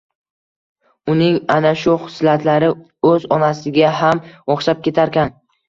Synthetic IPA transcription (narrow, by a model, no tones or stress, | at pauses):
ʊnɪŋanaʃʊχsɪlat̪ʰlaɾɪ | ɵzɒnasɪɡʲaɦamwɒχʃap̚kʲe̞t̪ʰaɾkʲan